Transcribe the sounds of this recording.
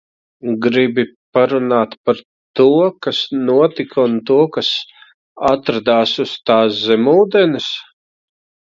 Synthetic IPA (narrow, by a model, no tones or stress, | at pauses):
ɡɾibipaɾunaːt̪paɾ | t̪uɔkasnuɔt̪ikʰunt̪uɔkas | at̪ɾad̪aːsust̪aːszɛmuːd̪ɛnɨs